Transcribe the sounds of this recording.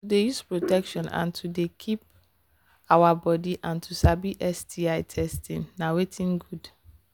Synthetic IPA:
tudejuspɹotɛkʃɔ̃nã̰ntʰudekʰip̚ | awabɔdiʔãntʰusabiʔɛstiaɪtʰɛstĩnnawetʰĩnɡud̥

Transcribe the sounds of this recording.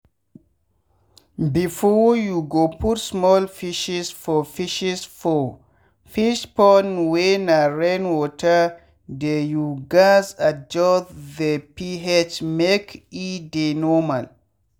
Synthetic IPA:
bifɔjuɡoputsmɔlfiʃisfɔfiʃisfɔ | fiʃpɔnwenaɹɛnwɔtʰa | dɛjuɡasad͡ʒɔtðəpiɦɛt͡ʃmekidenɔmal

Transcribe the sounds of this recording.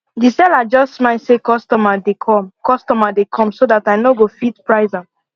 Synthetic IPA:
disɛlad͡ʒɔstːmaɪsekɔstɔmadekʰɔ̃mkɔstɔmadekʰɔ̃msodataɪnoɡofitpɹaɪzã

